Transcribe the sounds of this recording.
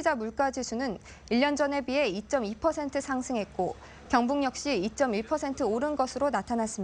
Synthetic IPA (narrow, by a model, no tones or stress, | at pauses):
id͡ʑamuɭk͈ad͡ʑisʰunɯn | iʎjʌnd͡ʑʌne̞bie̞it͡ɕ͈ʌmipʰʌsʰe̞ntʰɯsʰaŋsʰɯŋɦe̞t̚k͈o | kjʌŋbuŋjʌk̚ɕ͈iːt͡ɕ͈ʌmiɭpʰʌsʰe̞ntʰɯoɾɯnɡʌsʰɯɾonatʰanas͈ɯmia